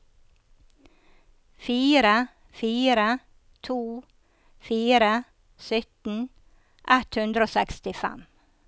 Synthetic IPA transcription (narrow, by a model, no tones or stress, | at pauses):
fiːɾə | fiːɾə | t̪ʰuː | fiːɾə | sʏt̪n̩ | ʔɛt̪hʉnd̪ɾoːsɛkst̪ɪfɛ̰m